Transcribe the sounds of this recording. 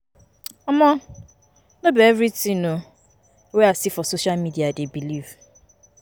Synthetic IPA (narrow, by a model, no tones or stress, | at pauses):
ɔmɔ | nobeevɾitĩno | weasifɔsoʃalmidiadebiliv